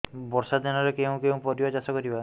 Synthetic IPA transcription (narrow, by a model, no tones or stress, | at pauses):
bɔɾsad̪anɔɾekeũkew̃pɔɾibad͡ʒasɔkɔɾiba